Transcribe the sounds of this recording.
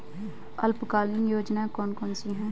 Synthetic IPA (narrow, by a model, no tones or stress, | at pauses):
əlpkaːlɪnjoːd͡ʒnaːkɔːnkɔːnsiɦɛ̃ː